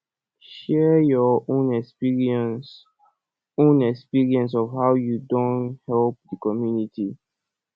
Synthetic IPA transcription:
ʃɛjɔõnɛkspiɹĩns | õnɛkspiɹiɛ̃ns̬ɔvhawjudõnthɛlp̚dəkɔmjuniti

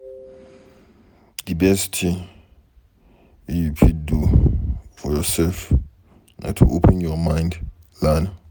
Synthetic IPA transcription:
d̪ibɛstʰĩ | jupʰidu | fɔjɔsɛlf | na̰tʰṵʔopʰɛnjɔmãjnd | lana

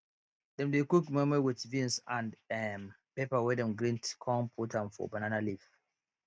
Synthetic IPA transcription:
dɛ̃mdekukmɛ̃mɛwɪtvĩnsãndɛm | pepawɛdɛ̃mɡɹĩntkʰɔ̃mpʰutʰãmfɔ̰bananalif

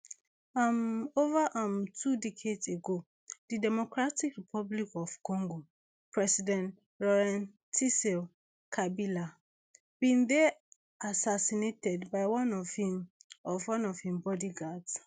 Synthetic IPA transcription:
amovaʔãmtʰudɛkʰedseɡo | d̥idɛmɔkɹatikɹipʰɔblikɔfkɔ̃ŋɡo | pʰɹɛsidɛ̃nt | ɹɔɹãn | tʰisɛl | kʰabila | b̥ĩnðɛ | asasinetɛdbaɪwãnɔvhĩmɔvwãnɔvhĩmbɔdiɡads

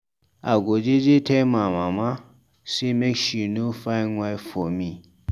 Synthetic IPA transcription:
aɡʷod͡ʒed͡ʒetʰemãmamã | semeʃinũfaiŋʷajfomĩ

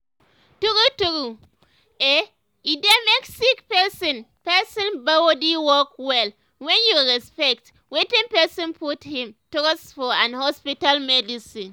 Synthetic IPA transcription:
tuɡutuɡu | e | idemeksikpɛsɔ̃npɛsɔ̃nbaodiwɔkwɛl | wɛ̃njuɹɛspɛk̚t | wetĩnpɛsɔ̃npʰuthĩmtɔkɔsfɔãnhɔspitalmɛdisĩn

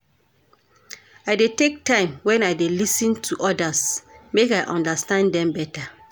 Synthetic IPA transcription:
aɪdetek̚tʰãɪ̃mwɛ̃naɪdelisĩntʰuʔɔdasmekaɪʔɔ̰̃ndastãndɛ̃mbɛtʰa

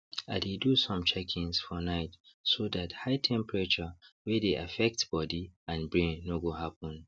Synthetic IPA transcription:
adedusɔ̃mt͡ʃɛkʰĩnsfɔnaɪtsodathaɪtʰɛ̃mpɹat͡ʃəwɛdeʔafɛk̚tb̥ɔdiãnbɹẽnːoɡohapɔ̃n

